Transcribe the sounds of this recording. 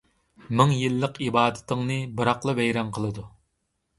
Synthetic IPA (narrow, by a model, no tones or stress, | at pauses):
mɪŋjilˠːəqibɑːd̪ɪ̥t̪ʰɪŋnɨbɨɾɑqlˠɨvɛjɾɑnqʰəlˠɨd̪u